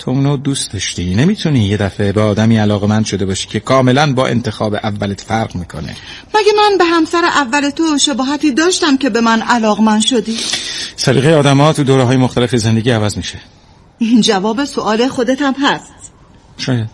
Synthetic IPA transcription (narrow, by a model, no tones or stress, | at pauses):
t̪ʰounod̪uːsd̪ɒʃt̪iːnemiːt̪ʰuniːjed̪æfebeɒːd̪æmiːælɒːɣemænd̪ʃo̞d̪e̞bɒːʃi̥ːcʰe̞kʰɒːme̞lænbɒ̰ːʔe̞̰nt̪ʰe̞xɒːbeʔævːælet̪fæɾɢmiːkʰonḛ | mæɡæmænbe̞ɦæmsæɾeʔævːæle̞t̪ʰoʃebɒːɦæt̪ʰiːd̪ɒːʃt̪æmce̞be̞mænælɒːɣemænd̪ʃod̪iːsæɾḭːɣejeɒːd̪æmɒːt̪ʰud̪oːɾɛɦɒːjemoxt̪ælefezend̪e̞ɟʲiːævæzmiʃe | ind͡ʒævɒːbesoʔɒːlexo̞d̪et̪ʰæmɦæst̪ | ʃɒːjæd̪̥